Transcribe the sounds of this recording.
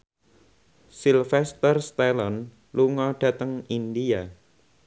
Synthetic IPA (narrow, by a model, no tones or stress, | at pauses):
silfɛst̪ərst̪ɛlɔn | luŋɔɖ̥ä̤t̪əŋind̪ia